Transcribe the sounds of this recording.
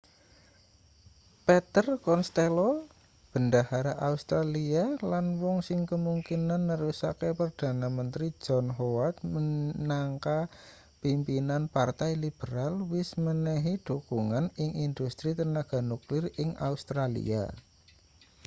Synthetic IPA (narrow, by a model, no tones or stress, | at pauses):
pɛt̪ərkɔnst̪elo | b̥əndahaɾaʔaust̪ɾalialanwɔŋsɪŋkəmuŋkinanːəɾusakepərd̪̥a̤namənt̪ɾi̥d͡ʒ̥ɔnɦowat̪̚mənaŋka | pimpinanpart̪ajlib̥əɾalwɪsmənɛɦid̪̥okuŋanɪŋind̪ust̪ɾit̪ənaɡ̥a̤nuklɪrɪŋa̰ust̪ɾalḭa̰